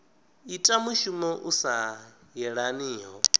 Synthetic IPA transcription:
itʼamuʃumɔʔusa | jɛɺaniːɦɔ

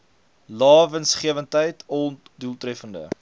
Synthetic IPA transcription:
lɑːvənsχiəvəntəjtʰɔ | dulˠtɾɛfəndə̰

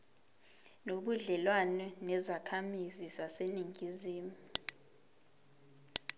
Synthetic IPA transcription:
noɓuɮɛlwanɔnɛzakʰamizizaseniŋʱiziːmu

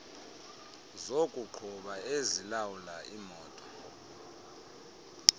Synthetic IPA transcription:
zokʼuǃʰuɓaezilawulaʔimɔːtʼɔ

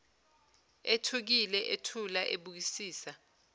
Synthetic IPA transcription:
etʰuk̬ilɛʔetʰulaʔeɓuk̬isiːsa

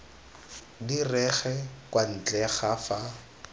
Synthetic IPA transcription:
dirɛχɛkwan̩t͡ɬʼɛχafa

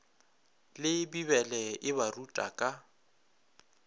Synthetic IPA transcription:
lɪbiβɛlɛʔɪβarutʼa̰kʼa

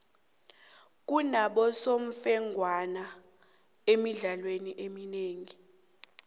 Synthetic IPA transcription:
k̬ʼunaɓɔsom̩fɛŋʱwana | emiɮalweniʔemineːŋi

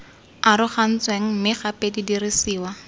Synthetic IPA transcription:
aɾʊχan̩t͡sweŋ̩mɪχapedidirisiːwa

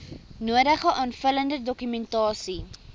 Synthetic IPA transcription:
nuədəχəʔɑːnfələndədɔkymɛntɑːsi

